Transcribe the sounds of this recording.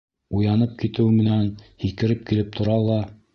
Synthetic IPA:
ujɑnɤp̚kit̪ɘ̆wmɘ̆nænhikɘ̆ɾɘp̚kilɘp̚t̪ʰŏɾɑlˠɑ

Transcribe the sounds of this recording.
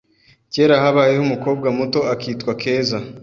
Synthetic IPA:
ce̞ːɾaɦaβaːjehumuko̞ːbɡamuto̞akiːtkwakʰe̞ːza

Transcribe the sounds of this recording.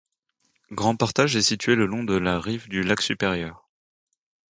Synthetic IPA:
ɡʁɑ̃paʁt̪aʒɛsit̪ɥeləlɔ̃d̪əlaʁivd̪ylaksypeʁjœːʁ

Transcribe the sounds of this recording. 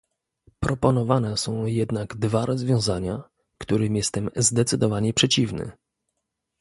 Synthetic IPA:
pɾɔpɔnɔvanɛsɔ̃w̃jɛd̪naɡd̪vaɾʔɔzvʲjɔ̃w̃zaɲa | kt̪uɾɘmʲjɛst̪ɛmzd̪ɛt̪sɘd̪ɔvaɲɛpʂɛt͡ɕivnɘ̰

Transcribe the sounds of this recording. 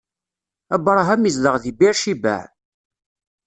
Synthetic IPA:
æbɾˤɦæmizləʁðibiɾʃibæ̰ʕ

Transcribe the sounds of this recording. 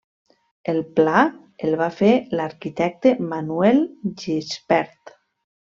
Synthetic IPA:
elˠpla | elˠβafelaɾkit̪ɛk̚t̪emanuɛlʒispɛɾt̪

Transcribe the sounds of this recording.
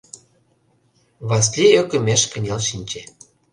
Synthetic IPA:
βɑs̬lʲiøkə̆meʃkə̆nʲelʃinʲt͡ɕe

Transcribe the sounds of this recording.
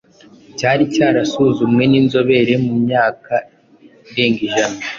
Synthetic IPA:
caːɾicaːɾasuzumŋe̞ninzo̞βe̞ɾe̞mumɲaːka | iɾe̞ːŋɡiʒana

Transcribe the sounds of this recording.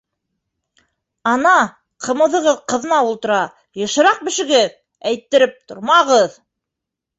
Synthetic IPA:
ɑnɑ | qʰɤ̆mɤ̆ðɤ̆ʁɤðqɤ̆ðɤ̆nɑulˠt̪ɤ̆ɾɑ | jɤ̆ʃɤ̆ɾɑq̚bɘ̆ʃɘ̆ɡɘð | æjt̪ːɘ̆ɾɘp̚t̪ŏɾmɑʁɤð

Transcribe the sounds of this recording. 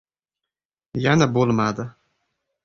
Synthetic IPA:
janabolmad̪a

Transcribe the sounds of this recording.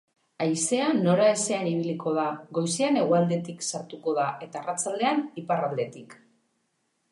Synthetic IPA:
ajse̞ano̞ɾae̞se̞aniβ̞iliko̞ð̞aɣo̞jseane̞ɣ̞oald̪e̞t̪iksaɾt̪uko̞ð̞aʔe̞t̪aerat͡sald̪e̞aniparald̪e̞t̪ik

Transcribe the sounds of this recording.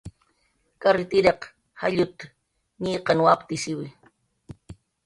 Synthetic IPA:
kaɾɪt̪ɪɾeq | haʎʊt̪ | ɲiːqɑnwapt̪ɪsɪwɪ

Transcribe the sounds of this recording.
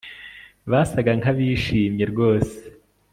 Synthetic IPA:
βasaɡaŋaβiːʃiːmɲe̞ɾɡo̞ːse̥

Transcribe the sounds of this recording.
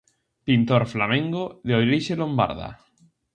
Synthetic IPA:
pint̪oɾflamẽŋɡoðeojɾiʃelomba̰ɾða̰

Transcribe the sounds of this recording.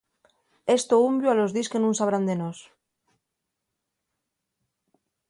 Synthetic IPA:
e̞st̪oumbjoalo̞zðiskenũnsaβ̞ɾand̪enos

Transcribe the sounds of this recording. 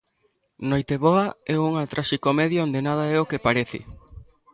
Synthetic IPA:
nojt̪eβɔɐɛuŋat̪ɾʔaʃikomɛðjoond̪enað̞ɐɛokepaɾeθɪ̰

